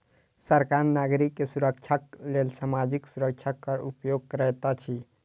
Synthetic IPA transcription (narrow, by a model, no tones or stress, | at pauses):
səɾkaɾnaɡɾikːesuɾəkt͡ʃʰaklelsamad͡ʒiksuɾək̚t͡ʃʰakːəɾupjoɡ̚kəɾɛt̪at͡ʃʰi